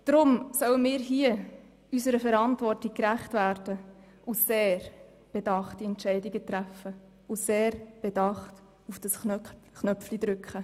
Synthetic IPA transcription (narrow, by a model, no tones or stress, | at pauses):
d̥ɾʊmsœwəmiːɾɦiə | ysəɾəfɛɾɑntvɔrtik̚kɾæχtvæːɾd̥ə | ʔuseːɾ | b̥edɑχtiɛntʃɛɪdiɡətɾæfːə | useːɾb̥edɑχt | ufd̥ɑsχnœ | χnœpflid̥̪ɾʏkχə